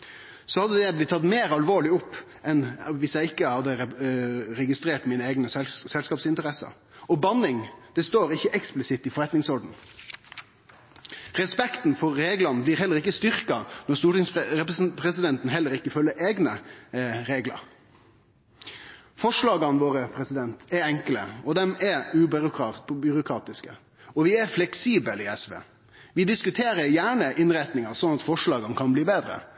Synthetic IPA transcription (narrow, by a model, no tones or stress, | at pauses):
sɔhɑd̪ːəd̪ɛblɪt̪ːʰɑt̪meːɾɑlʋoːɭɪʊpː | ɛnʋɪsjæɪɪkːəhɑd̪ːə | ɾɛɡɪst̪ɾeːʈmiːnəeːɡnəɛsɛlskɑːpsɪnt̪əɾɛsɑ̰ɾ | ɔbɑnɪŋd̪̥ɛst̪oːɾɪçːəʔɛksplɪsɪt̪ːɪfɔɾɛt̪nɪŋsɔɖn̩ | ʁɛspɛkt̪n̩fɔɾːeːɡlɑnəblɪːʁhɛlːəɾɪkːəst̪ʏɾkɑnɔɾst̪uːʈɪŋsɛppʰɾɛsɪd̪ɛnt̪nɦɛlːəɾɪkːəfœlːəɾeːɡnə | ɾeːɡlə̰ɾ | fɔʂlɑːɡɑnʋoːɾəpʰɾɛsɪd̪ɛnt̪ɛɾɛŋkələ̰ɔd̪ɛmɛʉbʏɾʊkːbʏɾʊkʰɾɑːt̪ɪskə̰ | ɔʋɪæɾflɛksiːbəliɛsʋḛː | ʋɪd̪ɪskʉt̪ʰeːɾəɾjæːɳəʔɪnɾæɪt̪nɪŋɑɾsɔnɑt̪fɔʂɭɑːɡɑnkʰɑnbliːbeːd̪ɾə̰